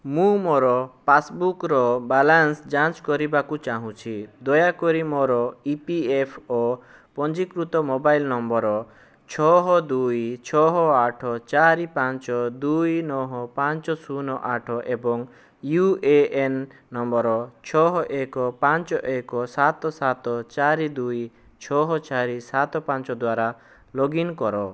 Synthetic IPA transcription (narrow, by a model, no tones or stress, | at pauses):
mũmɔɾɔpasbukɾɔbalansd͡ʒant͡ʃkɔɾibakut͡ʃaɦũt͡ʃʰid̪ɔjakɔɾimɔɾɔipiepʰɔ | pɔnd͡ʒikɾut̪ɔmobailnɔmbɔɾɔ | t͡ʃʰɔɦɔd̪ujt͡ʃʰɔɦɔaʈʰɔt͡ʃaɾipãnt͡ʃɔd̪ujnɔɦɔpant͡ʃɔsunɔʔaʈʰɔʔebɔŋ | jueenː | ɔmbɔɾɔt͡ʃʰɔɦɔʔekɔpant͡ʃɔʔekɔsat̪ɔsat̪ɔt͡ʃaɾid̪uj | t͡ʃʰɔɦɔt͡ʃaɾisat̪ɔpãnt͡ʃɔd̪waɾa | loɡinkɔɾɔ